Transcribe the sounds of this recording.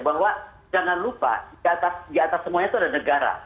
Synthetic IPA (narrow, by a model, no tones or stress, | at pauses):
baɦwa | d͡ʒaŋanlupa̰diat̪asdiat̪asːəmuaɲat̪uadahnəɡaɾa̰